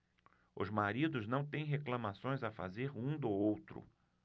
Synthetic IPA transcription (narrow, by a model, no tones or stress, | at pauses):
ʊ̰zmaɾid̪ʊznɐ̃w̃t̪ẽj̃ɦeklɐ̃masõj̃zafa̰zeɾũd̪ʊowt̪ɾʊ̰